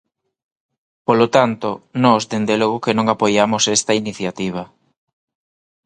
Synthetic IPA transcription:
polot̪ant̪onɔzd̪end̪eloɣokenõŋapojamosɛst̪ɐiniθjat̪iβ̞ɐ

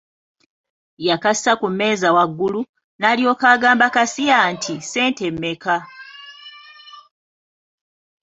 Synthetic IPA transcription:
jakasakumːe̞ːzawaɡːulu | naːlio̞ːkaɡaːmbakasijaːntʰise̞ːnte̞mːe̞ka

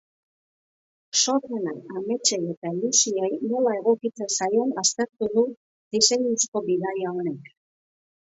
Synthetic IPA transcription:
so̞renaame̞t͡ʃe̞je̞t̪aelusiejno̞lae̞ɣ̞o̞kit͡se̞nsajo̞nast̪e̞ɾt̪uð̞u | d̪ise̞ɲɲusko̞βiɣajao̞ne̞k

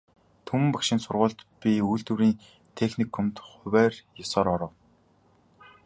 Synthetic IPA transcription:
t̪ʰɵmɘ̆mpakʃɪ̆nsʊrʁʊːɮt̪pʲiujɮt̪uɾiːn | t̪ʰexnikʰxɵmt̪χʊwæːrjɔsɔːɾɔɾɞ̆w

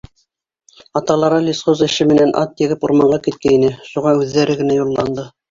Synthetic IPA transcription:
ɑt̪ɑlˠɑɾɑlʲisχozɘ̆ʃɘmɘ̆nænʔɑ̰t̪jɘ̆ɡɘpuɾmɑɴʁɑkit̪̚kæinɘʃuʁɑʉðːæɾɘɡɘ̆næjulˠːɑnd̪ɤ

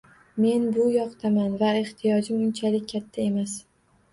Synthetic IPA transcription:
me̞nbʊjɒqt̪ʰamanvaeht̪ʰijɒd͡ʒɪmʊnt͡ʃʰalɪk̚ʲːʰat̪ʰːae̞mas

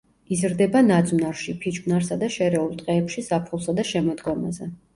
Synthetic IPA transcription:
izɾd̪ɛbanad̪zwnaɾʃipʰit͡ʃʼbnaɾsad̪aʃɛɾɛulˠt̪ʼqʼɛːpʃisapʰχulˠsad̪aʃɛmɔd̪ɡɔma̰zɛ

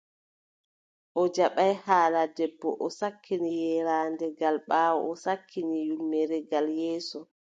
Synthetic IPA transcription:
ʔɔd͡ʒaɓajhaːladɛbːɔ̰ʔɔsakʰːinijɛɾaːndɛɡalɓaːwɔ̰ʔɔsakʰːinijulmɛɾɛɡaljɛːsɔ

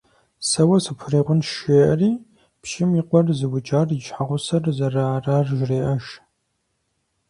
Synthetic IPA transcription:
sɐwɐsɨpʷʰʊreːʁʷʊnʃeːʔɐriː | pʃɪmiqʷɔrzɨwʊd͡ʒʼaːrjɪʃħaʁʷʊsɐrzɐraːraːrʒreːʔɐʃ

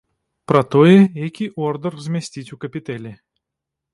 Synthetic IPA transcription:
pɾɐt̪ojɛjakʲiʔɔrd̪ərzmʲɛsʲtʲitʲukɐpʲɪt̪ɛlʲɪ

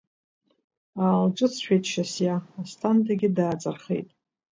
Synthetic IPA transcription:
aːlʈ͡ʂʼɨt͡sʰʃᶣejtʰʼʃasjaːstʰantʰʼaɡʲɪdaːt͡sʼarχḛjtʼ

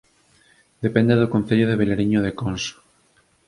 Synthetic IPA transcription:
d̪epẽnd̪eðokon̟θeʎoðeβeleɾiɲoðekonso̥

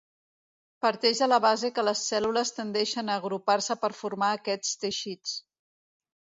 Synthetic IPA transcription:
pəɾt̪ɛʒðələβazekələsɛluləst̪ənd̪ɛʃənəːɣɾuparsəpəɾfuɾmaəkɛt͡st̪əʃit͡s

